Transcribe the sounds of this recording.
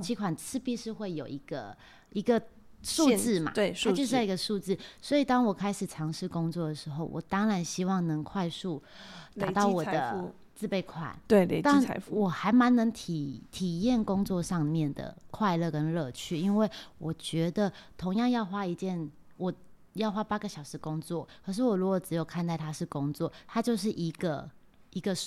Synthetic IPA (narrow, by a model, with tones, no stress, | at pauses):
t͡ɕʰi˧˥kʰwa˨˩nt͡sʰɹɻ̩˥˧pi˥˧ʂɻ̩˥˧xwe˥˩ɪjo˨˩ʊi˧˦˥ɡ̥ə˧ | i˧˥ɡə˧ʂu˥˧t͡sɹ̩˥˩ma̰˨˩˥a˥˧t͡ɕo˥˧ʊ˥˩i˧ɡə˧ʂu˥˧t͡sɹ̩˥˩swɔ˧˥i˨˩t̪ɑ˥ŋwɔ˨˩kʰa˥ɪʂɻ̩˨˩ʈ͡ʂʰɑ˧˥ŋʂɻ̩˥˩kʊ˥ŋt͡swɔ˥˩d̪ə˩ʂɻ̩˧˦xo˥˩ʊwʔɔ̰˨˩t̪ɑ˥ŋɻa˧˥nɕi˥wɑ˥˩ŋnə˧˦ŋkʰwa˥˧ɪʂu˥˩t̪a˨t̪ɑ˥˩ʊwɔ˨˩d̪ə̰˦ | t͡sɹ̩˥˧pe˥˩ɪkʰwa̰˨˩˦nt̪e˥˧le˧t̪a˥˨n˧˦wɔ˨˩xa˧˥ɪma˧˥nnə˧˥ŋt̪ʰi˨˩t̪ʰi˨˩jɛ˥˨˩nkʊ˥ŋt͡swɔ˥˧ʂɑ˥˧ŋmjɛ˥˨˩nd̪ə̰˩kʰwa˥˧ɪlɤ˥˧˨kə˦˥nlɤ˥˧t͡ɕʰy˥˩i˦˥nwe˥˩ɪwʔɔ˨˩t͡ɕɥɛ˧˥d̪ə˨t̪ʰo˧˥ŋjɑ˥˧ŋjɑ˥˧ʊxwa˥i˧˥t͡ɕjɛ˥˩˨n | wɔ˨˩ | jɑ˥˩ʊxwa˥pa˥ɡə˨ɕjɑ˨˩ʊʂɻ̩˧˦kʊ˥ŋt͡swɔ˥˩kkʰɤ˧˥ʂ̬ɻ̩˥˩wɔ˨˩ɻu˧˦˥kwɔ˨˩ʈ͡ʂɻ̩˧˥jo˨˩ʊkʰa˥˧nt̪a˥˩ɪt̪ʰa˥ʂɻ̩˥˩kʊ˥ŋt͡swɔ˥˨˩t̪ʰa˥t͡ɕjo˥˧ʊʂ̬ɻ̩˥˩ʔi˧˥ɡə˧ | i˧˥ɡə˧